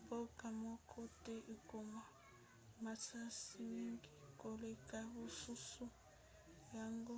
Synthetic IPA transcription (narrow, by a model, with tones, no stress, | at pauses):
bɔ˦kʼa˨mɔ˦kʰɔ˦tʼe˦ʔi˨kɔ˨ma˦ | ma˨t͡sʰa˦si˦mi˦ŋɡi˦ko˨lɛ˦kʼa˦βu˦su˦su˦ | ja˦ŋɡɔ˦